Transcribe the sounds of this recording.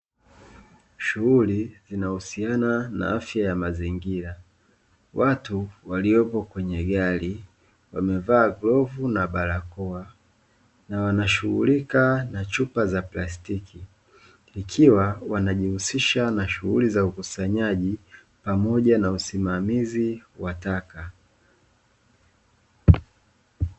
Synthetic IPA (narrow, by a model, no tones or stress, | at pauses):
ʃuɣulizinahusianana̰afjajamaziŋɡiɾa | watuwaliɔpɔkwɛɲɛɠali | wamɛvaːɡlɔvunaɓaɾakɔa | nawanaʃuɣṵlikanat͡ʃupazaplastikʰi | ikʰiwawanaʄihusiʃanaʃuɣulizaukusaɲaʄi | pamɔʄanausimamiziwataka